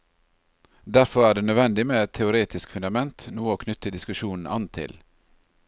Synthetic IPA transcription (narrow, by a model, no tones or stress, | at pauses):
d̪æɾfɔɾæːɖeːnœd̪ʋɛnd̪ɪmeːɛt̪ʰːɛʊɾeːt̪ɪskfʉnd̪ɑmɛnt̪nuːəoːkʰnʏt̪əd̪ɪskʉʃuːnn̩ɑ̰nt̪ʰɪ̰l